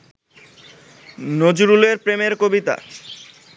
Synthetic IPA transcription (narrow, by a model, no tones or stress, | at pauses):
nod͡ʑuɾuleɾpɾemeɾkobit̪a̰